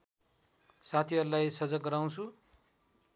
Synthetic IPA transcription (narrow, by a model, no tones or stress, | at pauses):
sat̪ʰiʌɾulajsʌd͡zʌk̚ɡʌɾaw̃t͡sʰu